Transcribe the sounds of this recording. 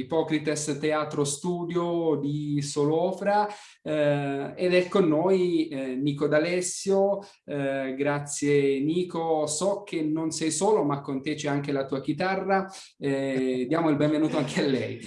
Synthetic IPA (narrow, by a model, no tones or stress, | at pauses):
ipɔkɾit̪est̪eaːt̪ɾost̪uːd̪jod̪isolɔːfɾa | ed̪ɛkːonːoːjniːkod̪alɛsːjo | ɡɾat̪sːjeniːkosɔk̟ːenːonsɛjsoːlomakːont̪et͡ʃɛaŋk̟elat̪uːak̟it̪arːa | d̪jaːmoilbɛ̃ɱvenuːt̪oaŋkealːɛj